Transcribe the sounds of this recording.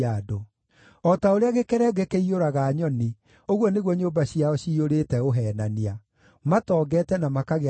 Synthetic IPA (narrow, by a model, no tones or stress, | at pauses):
ado | ɔtaoɾeaɣekɛɾɛɡekeioɾaɣaɲɔni | oɣwɔneɣwɔɲoːbaɕiaɔɕiːoɾetɛoɦɛːnania | matɔːɡɛtɛnamakaɣe